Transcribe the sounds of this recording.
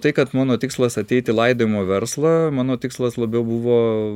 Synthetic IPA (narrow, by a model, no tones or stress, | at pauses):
t̪ɐɪkɐt̪mɑːnoːt̪ʲɪkslˠɐsɐt̪ʲɛɪt̪ʲɪlˠɐɪd̪oːʋɪmoːʋʲɛɾslˠɐmɑːnoːt̪ʲɪkslˠɐslˠɐbʲɛʊbuʋoː